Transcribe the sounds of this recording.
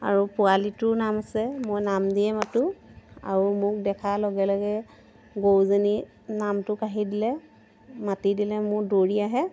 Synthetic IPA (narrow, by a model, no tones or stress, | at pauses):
a̰ɹupʊalitʊnamasɛmojnamdiɛmatʊa̰ɹumʊk̚dɛkʰalɔɡɛlɔɡɛ | ɡowzeni | namtʊkaɦidilɛ | matidilɛmʊɹdoɹiaɦɛ